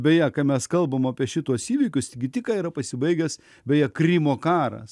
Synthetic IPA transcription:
bʲɛjɛkɐmʲɛskɐlˠbɐmɑːpʲiɛʃʲɪt̪uɔsiːʋʲiːkʲʊst̪ʲɪɡʲɪt̪ʲɪkɑːiɾɐpɐsʲɪbɐɪɡʲɛs | bʲɛjɛkɾʲiːmoːkɑːɾɐ̰s

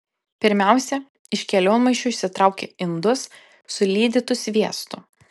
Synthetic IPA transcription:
pʲɪɾʲmʲæˑʊsʲɛ | ɪʃʲkʲɛlʲoːnmɐɪt͡ʃʲʊɪʃʲsʲɪt̪ɾɑˑʊkʲḛɪnd̪ʊsː | ʊlʲiːd̪ʲɪt̪ʊsʲʋʲiɛst̪ʊ

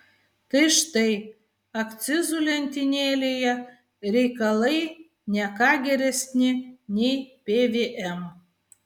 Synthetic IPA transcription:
t̪ɨʃt̪ej | akt͡sizulʲenʲt̪ʲinʲelʲeja | ɾʲejkalej | nʲækaɡʲeɾʲesʲnʲenʲejpʲevʲeʔem

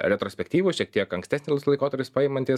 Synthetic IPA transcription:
ɾʲɛt̪ɾoːsʲpʲɛkt̪ʲiːʋuʃʲiɛk̚t̪ʲiɛkɐŋksʲt̪ʲæːsʲnʲɪlˠslˠɐɪkoːt̪ɐɾʲpʲɪspɑɪmɐnʲt̪ʲi

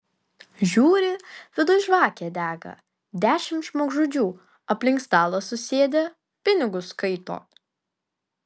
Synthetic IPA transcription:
ʒʲuːɾʲɪʋʲɪd̪ʊʒʋɑːkʲeːd̪ʲæːɡɐ̰ | d̪ʲæːʃʲɪmt̪ʒmoːɡʒuːd͡ʒʲuː | ɐpʲlʲɪŋkst̪ɑːlˠɐsʊsʲeːd̪ʲɛ | pʲɪnʲɪɡʊskɐɪt̪o̰ː

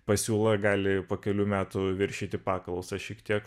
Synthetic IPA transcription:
pɐsʲuːlˠɐɡɑːlʲɪpoːkʲɛlʲuːmʲæːt̪ʊʋʲɪɾʲʃʲiːt̪ʲɪpɑːklˠɐʊsɐʃʲiːkt̪ʲiɛk

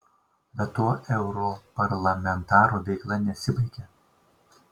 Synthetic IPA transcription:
bʲɛt̪ːoːʔɛʊɾopɐɾlˠɐmʲɛnt̪ɑːɾuːʋʲɛɪklˠɐnʲɛsʲɪbɐɪkʲɛ

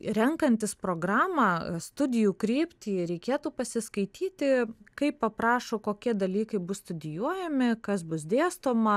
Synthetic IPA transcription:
ɾʲɛŋkɐnʲt̪ʲɪspɾoːɡɾɑːmɑːst̪ʊd̪ʲɪjuːkɾʲiːpʲt̪ʲiːɾʲɛɪkʲeːt̪uːpɐsʲɪskɐɪt̪ʲʰiːt̪ʲɪkɐɪppɐpɾɑːʃoːkoːkʲiɛd̪ɐlʲiːkɐɪbʊsst̪ʊd̪ʲɪjuɔjɛmʲɪkɐsbʊsd̪ʲeːst̪oːmɐ

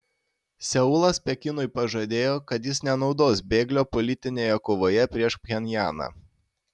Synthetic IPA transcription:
sʲɛʊlˠɐspʲɛkʲɪnʊɪpɐʒɐd̪ʲeːjoːkɐt̪jɪsnʲɛnɒʊd̪oːsbʲeːɡlʲoːpɔlʲɪt̪ʲɪnʲeːjɛkoːʋoːjɛpʲɾʲiɛʃpʲxʲɛnʲjæːnɑ̰

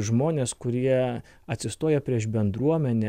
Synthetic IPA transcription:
ʒmoːnʲeːskʊɾʲiɛɐt̪ʲsʲɪst̪oːjɛpʲɾʲiɛʃbʲɛnd̪ɾuɔmʲɛnʲɛ

